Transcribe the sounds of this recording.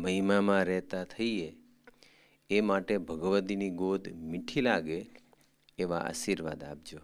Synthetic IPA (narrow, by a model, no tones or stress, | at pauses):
məɦimamãɾɛɦt̪at̪ʰəie | emaʈebʱəɡʋət̪iniɡod̪ʱmiʈʰilaɡeː | ʋaʔa̰ʃiɾʋad̪ap̚d͡ʒo